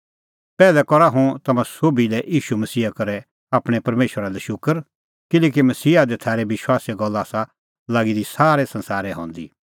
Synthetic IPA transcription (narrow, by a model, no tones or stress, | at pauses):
pɛːlɛkɔɾaɦũt̪ɐmãsoːbilɛʔjiːʃumɐsiːakɐɾɛ | aːpɽ̃epɐɾmeːʃəɾalɛʃʊkəɾ | kɪleːk̬imɐsiːad̪ɛt̪ʰaːɾɛʋɪʃwaːsiaɡɔlːaːsa | laːɡid̪isaːɾɛsɐ̃nsaːɾɛɦɔ̰̃ːnd̪ḭ